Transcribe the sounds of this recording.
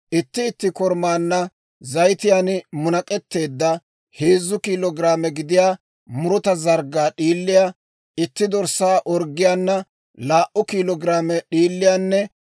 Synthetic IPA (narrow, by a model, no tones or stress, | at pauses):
ʔɪt̪ːɪːt̪ːɪkɔɾmaːnːɐ | zɐjt̪ɪjanmʊnɐkʼɛt̪ːe̞ːd̪ːɐ | heːzːʊkiːlɔɡɾaːmɛɡɪd̪ɪjaː | mʊɾɔt̪ɐzɐɾɡaːɗiːlːɪjaː | ɪt̪ːɪd̪ɔɾsaːʔɔɾɡːɪjaːnːɐ | laːʔʊkiːlɔɡɾaːmɛɗiːlːɪjaːnːɛ